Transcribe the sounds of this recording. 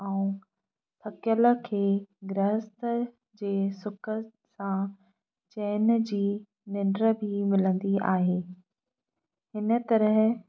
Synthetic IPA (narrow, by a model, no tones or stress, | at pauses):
ɛũ | t̪ʰɐkjələ̆kʰeːɡɾəɦst̪ə | d͡ʑeːsʊkʰə | sã | t͡ɕɛːnd͡ʑiː | nɪɳɖɾə̆bʱimɪlə̃nd̪ia̰ːɦeː | hɪnə̆t̪ɐɾəɦ